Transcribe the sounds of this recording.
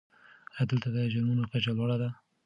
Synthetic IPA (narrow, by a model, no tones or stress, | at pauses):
ad̪əlt̪ad̪əʒaɾmunokat͡ʃalwɑɽad̪a